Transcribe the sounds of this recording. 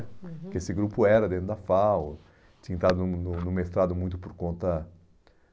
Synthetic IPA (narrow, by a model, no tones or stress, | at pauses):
kɪesɪɡɾupʊɛɾɐd̪ẽt̪ɾʊd̪ɐfaw | t͡ʃĩɲɐ̃t̪ad̪ʊnnʊnʊ̃mest̪ɾad̪ʊmũj̃t̪ʊpoɾkõnt̪ɐ